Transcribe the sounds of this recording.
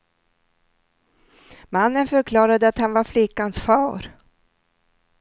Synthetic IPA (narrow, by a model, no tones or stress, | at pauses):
manːənfœɾkʰlɑːɾad̪əat̪hanvaɾflɪkːansfɑːɾ